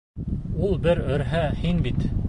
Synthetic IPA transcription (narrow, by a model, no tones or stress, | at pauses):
ulˠbɘɾɵ̆ɾɦæhinbit̪